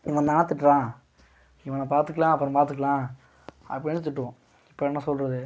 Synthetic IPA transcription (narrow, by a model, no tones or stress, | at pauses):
ɪʋɐnaːnɐt̪ːɪʈːɾãː | ɪʋɐːnãpaːɾt̪ɯkːɐlãːɐpːɯɾʊ̃paːɾt̪ɯkːɐɭãː | ɐ̰pːɐɽɪnːɯt̪̬ɪʈːɯʋʊ̃ | ɪpːoɛnːɐsɔlrɐðɯ